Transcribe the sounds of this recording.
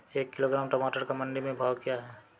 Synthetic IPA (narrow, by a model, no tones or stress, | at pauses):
eːkːɪloɡɾaːmʈɔmaːʈəɾkamɐ̃nɖimẽbʱaːwkijaɦɛː